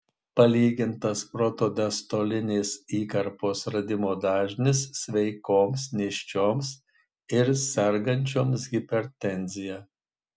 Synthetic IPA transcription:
pɐlʲiːɡʲɪnt̪ɐspɾot̪oːd̪ʲɛst̪oːlʲɪnʲeːsiːkɐɾpoːsɾɐd̪ʲɪmoːd̪ɑːʒʲnʲɪsːʲʋʲɛɪkoːmsnʲeːʃʲt͡ʃʲoːms | ɪɾsʲɛɾɡɐnʲt͡ʃʲoːmsɡʲɪpʲɛɾʲt̪ʲɛnʲzʲɪjɛ

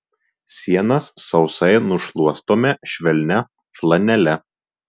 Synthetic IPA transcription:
sʲiɛnɐsːɒʊsɐɪnʊʃlˠuɔst̪oːmʲɛʃʲʋʲɛlʲnʲɛ | flˠɐnʲɛlʲɛ

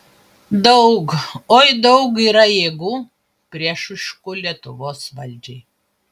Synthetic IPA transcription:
d̪ɐʊkoːɪd̪ɐʊkiːɾɐjeːɡuː | pʲɾʲiɛʃʊʃkʊlʲiɛt̪ʊʋoːsʋɐlʲd͡ʒʲɛɪ

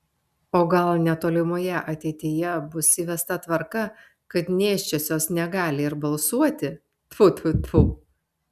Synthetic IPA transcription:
oːɡɐlˠnʲɛt̪oːlʲɪmoːjɛʔɐt̪ʲɛɪt̪ʲɪjɛbʊsʲɪʋʲɛst̪ɐt̪ʋɐɾkɐ | kɐt̪nʲeːʃʲt͡ʃʲosʲoːsnʲɛɡɑːlʲɪɪɾbɐlˠsuɔt̪ʲɪ | t̪pʊt̪ʊt̪pu

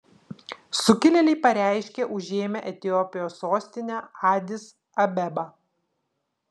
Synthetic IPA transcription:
sʊkʲɪlʲɛlʲɛɪpɐɾʲæˑɪʃʲkʲeʔʊʒʲeːmʲɛʔɛt̪ʲɪjɔpʲɪjoːsoːsʲt̪ʲɪnʲɛɑːd̪ʲɪs | ɐbʲɛbɐ

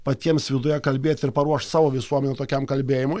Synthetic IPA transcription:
pɐt̪ʲiɛmsʋʲɪd̪ʊjɛkɐlʲbʲeːt̪ʲɪɾpɐɾuɔʃt̪sɑːʋoːʋʲɪsuɔmʲɛnʲɛt̪oːkʲɛmkɐlʲbʲeːjɪmʊɪ

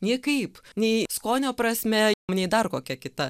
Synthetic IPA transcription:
nʲiːkɐɪpnʲɛɪskoːnʲoːpɾɐsʲmʲɛmnʲɛɪd̪ɐrkoːkʲɛkʲɪt̪ɐ

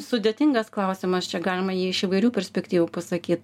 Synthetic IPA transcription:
sʊd̪ʲet̪ʲɪŋɡɐsklˠɐʊsʲɪmɐst͡ʃʲɛɡɑːlʲɪmɐjiːɪʃɪʋɐɪɾʲuːpʲɛɾʲsʲpʲɛkt̪ʲiːʋuːpɐsɐkʲiːt̪̚

